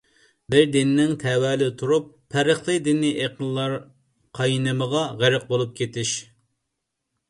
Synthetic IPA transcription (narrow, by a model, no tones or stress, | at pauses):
bɪɾd̪ɪnɪnɪŋt̪ʰɛwɛːlɪt̪ʰuɾupʰːæɾəχlˠɨd̪ɪniʔeqʰənlˠɑɾ | qʰɑjnɨməʁɑʁæɾɪq̚bolˠup̚kʲʰet̪ɪʃ